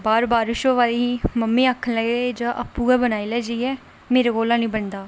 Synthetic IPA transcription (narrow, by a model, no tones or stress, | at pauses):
baːɾbaːɾɪʃoːʋaːliːiːməmːĩːaːkʰːənləɡd͡ʒãːʔapːuːɡɛːbənaːilɛːd͡ʒiiːɛː | meːɾeːɡoːlãːnĩːbənd̪aː